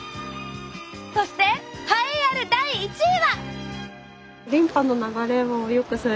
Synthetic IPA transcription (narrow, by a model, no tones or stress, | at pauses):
so̞ɕi̥t̪e̞kaiaɾɯ̟d̪aiːt͡ɕiβa | ɾʲĩmpanːo̞naɡaɾe̞mojo̞kɯ̟sɨ